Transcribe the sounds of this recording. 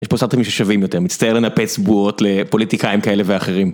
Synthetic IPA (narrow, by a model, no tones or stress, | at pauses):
jeʃposaʁt̪emiʃeʃavimjote̞ʁmitt͡st̪ɐje̞lenapet͡sbuo̞tle̞po̞lit̪ikaimkaele̞veaχe̞ʁim